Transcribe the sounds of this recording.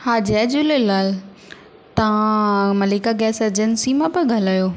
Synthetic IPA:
haːd͡ʑd͡ʑulelaːl | t̪ɐãmɐliːkaɡɛːsɐɾd͡ʑənsimãpɐɡʱɐlaːjoː

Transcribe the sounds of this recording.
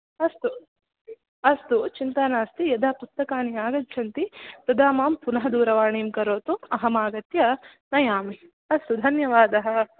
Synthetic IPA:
ɐst̪u | ɐst̪ut͡ʃint̪ɐnaːst̪ijɐd̪ʱaːpust̪ːɐkaːnijaːɡɐt̪t͡ʃʰɐnt̪it̪ɐd̪aːmaːmpunɐɦɐd̪uːɾɐʋaːɳiːmkɐɾoːt̪uɐɦɐmaːɡɐt̪jɐ | nɐjaːmi | ɐst̪ud̪ʱɐnjɐʋaːd̪ɐɦɐ̆

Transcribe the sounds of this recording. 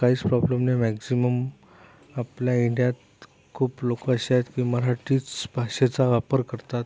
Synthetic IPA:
kaɦiːt͡spɾɔbləmnemæksiməm | apljaiɳɖjat̪ | kʰuːplokəəɕajet̪kiːməɾaʈiːt͡sbʱaɕet͡saʋapəɾkəɾt̪at̪

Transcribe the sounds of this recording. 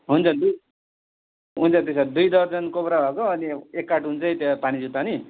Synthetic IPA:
ɦunt͡sʰʌd̪u | ɦunt͡sʰʌt̪esad̪ujd̪ʌɾd͡zʌnkopɾabʱʌkoʌniekːaʈɦunt͡sʰʌjt̪ʌpanid͡zut̪ani

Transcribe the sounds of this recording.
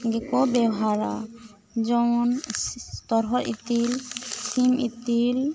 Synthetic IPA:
ɡɛkɔbɛwɦaɾa̰ | d͡ʒɔwn | t̪ɔɾɦɔɾḭt̪ilsimit̪il

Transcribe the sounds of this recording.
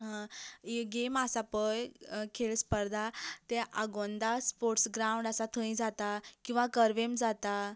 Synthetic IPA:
ɦãeɡemasapəjkʰeɭspəɾd̪ʱat̪ɛʔaɡond̪aspoɾʈsɡɾaũɳɖasat̪ʰə̃ĩd͡zat̪akĩw̃ʋakəɾʋemd͡zat̪a

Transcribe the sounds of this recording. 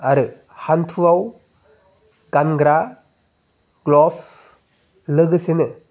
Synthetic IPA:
aɾɯ | hantʰuaw | ɡ̥anɡɾa | ɡ̥lɔpʰ | lɯɡɯsenɯ

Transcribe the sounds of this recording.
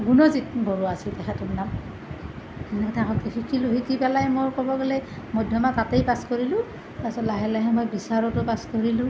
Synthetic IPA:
ɡunɔzit̚bɔɹuasiltɛxʰɛtɔmnam | ɛnɛtʰakɔkixʰikʰiloɦikipɛlajmoɹkɔbɔɡelɛ | mɔjdʱjɔmatatejpaskoɹilʊ̃ | tasɔtːaɦɛlaɦɛmojbisaɹɔtʊpaskoɹilʊ̃

